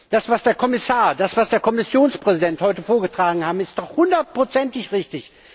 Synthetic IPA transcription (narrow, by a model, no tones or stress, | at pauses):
d̥asv̥asd̥eːɐkʰɔmɪsaːɐdasv̥asd̥eːɐkʰɔmɪsjoːnspʁ̥ɛzidɛnthɔʏtəfoːɐɡətʁ̥aːɡŋ̩haːbm̩ɪstd̥ɔχhʊndɐt̚pʁ̥ot͡sɛntɪçʁɪçtɪç